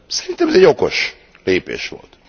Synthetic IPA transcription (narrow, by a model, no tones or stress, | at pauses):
sɛ̥ɾint̪ɛmɛzɛɟokoʃ | leːpḛːʃʋo̰lt̪